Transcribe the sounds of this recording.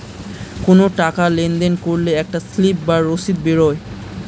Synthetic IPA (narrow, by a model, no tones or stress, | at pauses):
konoʈakalend̪enkoɾleɛk̚ʈaslip̚baɾosit̪̚beɾoe